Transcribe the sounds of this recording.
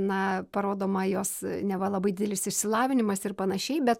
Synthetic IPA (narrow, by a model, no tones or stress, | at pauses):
nɐpɐɾoːd̪oːmɐjoːsnʲɛʋɐlˠɐbɐɪd̪ʲɪd̪ʲɛlʲɪsɪʃʲsʲɪlˠɑːʋʲɪnʲɪmɐsɪrpɐnɐʃʲɛɪbʲɛt̪̚